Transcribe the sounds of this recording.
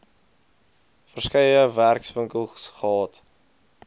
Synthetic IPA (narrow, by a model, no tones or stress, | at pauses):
fərskəjəværksvəŋkəlˠsχɑːt